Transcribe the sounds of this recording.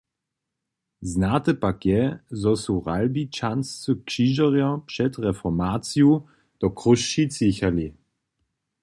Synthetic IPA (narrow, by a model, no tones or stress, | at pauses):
znat̪əpakjɛzɔsuʁalbit͡ʃanst͡səkʃiːʒəʁjɐpʂɛtʁɛfɔmaːt͡sju | d̥ɔkʁuʃːit͡siçali